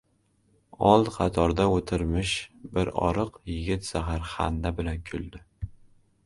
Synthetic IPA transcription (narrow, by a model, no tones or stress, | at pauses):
ɒlˠqʰɑt̪ʰɒɾd̪aot̪ʰɪɾmɪʃbɪɾɒ̰ɾɨqjɪɡʲɪt̪z̥aɦaɾχa̰nd̪abɪlankʲʰʊld̪ɪ